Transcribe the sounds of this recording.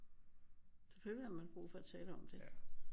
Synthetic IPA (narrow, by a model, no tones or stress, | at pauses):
fɒføihɑmænb̥ʁṵːfɒ̽æt͡sʰɛːləɒ̽md̥e̝